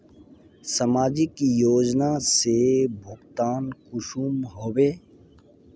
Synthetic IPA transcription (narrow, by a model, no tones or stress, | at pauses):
sɐmaːd͡ʒikijoːd͡ʒnasebʱʊkt̪aːnkʊʃuːmɦoːweː